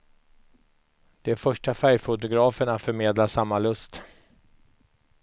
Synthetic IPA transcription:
d̪̥ɛæɾfœʂʈafæɾjfʊt̪̬ʊɡɾɑːfəɳafœɾmeːd̪laʂamːalɵst̪

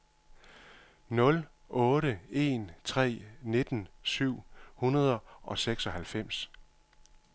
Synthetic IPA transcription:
nɔ̽l | ʔɔ̽ːɾəe̝̰nt͡sʰʁɛ̰ːne̝d̥n̩syʊ̰hunɐð̞ˠɐʔɒ̽seɡ̥sɒ̽hælfem̰s

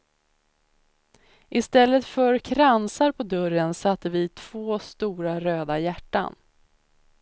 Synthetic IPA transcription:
ʔɪst̪ɛlːət̪fœɾkʰɾansaɾpʰɔd̪ɵɾənsat̪ːəvɪt̪ʰv̥oːst̪uːɾaɾøːd̪ajæʈːa̰n

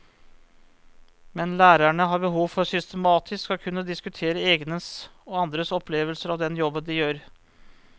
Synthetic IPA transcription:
mɛnlæːɾæɳəɦɑːɾbəɦuːʋfɔɾsʏst̪əmɑːt̪ʰɪskɔkʰʉnːəd̪ɪskʉt̪ʰeːɾəeːɡnəsɔɑnd̪ɾəsɔpʰleːʋəlsəɾɑʋd̪ɛnjɔbənd̪ɪjøːɾ

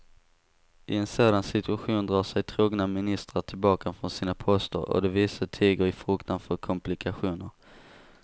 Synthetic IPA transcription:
ʔɪɛnsoːd̪ansɪt̪ɵaɧuːnd̪ɾɑːʂɛjt̪ʰɾuːɡnamɪnɪst̪ɾaʈʰɪlbɑːkafɾɔnsiːnapʰɔst̪ə̰ɾɔ̰d̪ɛviːsaʈ̪ʰiːɡəɾɪfɾʊːkt̪anfœɾkʰɔmplɪkʰaɧuːnəɾ

